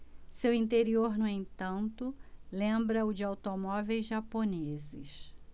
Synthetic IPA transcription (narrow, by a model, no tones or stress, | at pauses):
sewĩnt̪eɾioɾnuẽnt̪ɐ̃nt̪ʊlẽmbɾɐʊd͡ʒɪawt̪omɔvejzʒaponezɪ̰ʃ